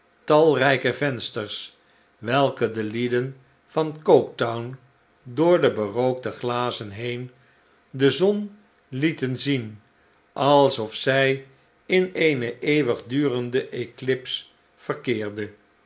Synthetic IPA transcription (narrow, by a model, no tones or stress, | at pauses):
tɑlˠrɛjkəvɛnstəɹs | ʋɛlˠkədəlidən | v̥ɑnkowk̚tɔwn | dʊːɹdəbərowk̚dəχlaːzənɦejn | dəzɔn | litənzin | ʔɑlˠsɔfsɛj | ɪnejnəʔejʋəχdyːrəndəʔeklɪps | fəɹkɪːɹdə